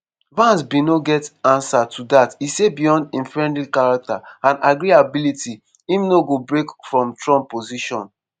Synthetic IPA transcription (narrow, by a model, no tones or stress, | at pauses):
vãnsbinoɡɛtãnsatʰudatisebijɔ̃ndĩnfɹɛ̃ndlikaɹak̚taãnaɡɾiabiliti | ĩmnoɡobɹekfɹɔ̃mtɹɔ̃mpːoziʃɔ̃n